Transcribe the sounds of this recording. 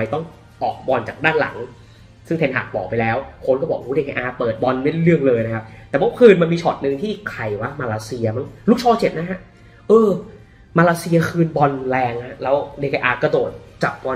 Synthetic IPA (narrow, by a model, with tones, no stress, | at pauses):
a˧jt̪ɔ˥˩ŋ | ʔɔː˨˩k̚bɔ˧nt͡ɕa̰ː˨˩k̚daː˥˩nla̰˩˦ŋ | sɯ˥˩ŋt̪e˧nɦʰa̰ː˨˩k̚bɔː˨˩pa˧jlɛː˦˥wkʰo˧˥nkɔː˥˩bɔː˨˩k̚huː˦˥deː˧kʰeː˧ʔaː˧pɤː˨˩t̪̚bɔ˧nma˥˩de˥˩ɾɯ˥˩əŋlɤː˧jna˦˥kʰa˦˥p̚t̪ɛː˨˩bɔ˦˥kʰɯː˧nma˧nmiː˧t͡ɕʰɔː˨˩t̪̚nɯ˧ŋt̪ʰiː˥˩ʔiː˨˩kʰːa˨˩jwa˦˥˩maː˧laː˧si˧ɐ˧ma˧˩nlu˦˥k̚t͡ɕʰɔː˧˥t͡ɕe˨˩t̪̚na˦˥kʰa˦˥ | ʔɤː˧ | maː˧laː˧si˧ɐ˧kʰɯː˧nbɔ˧nlɛː˧ŋa˦˥lɛː˦˥wde˧kʰaː˧ʔaː˧ka˧˩doː˨˩t̪̚t͡ɕa˨˩k̚bɔ˧